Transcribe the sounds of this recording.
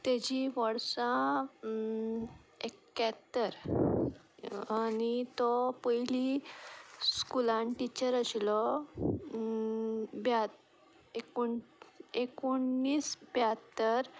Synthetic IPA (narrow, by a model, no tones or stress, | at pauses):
t̪ed͡ʑiʋəɽsã | ekːat̪ːəɾ | anit̪ɔpəjli | skulãɳʈit͡ɕəɾəslɔ | bjat̪ | eko | ekoɳːiːsbjat̪ːəɾ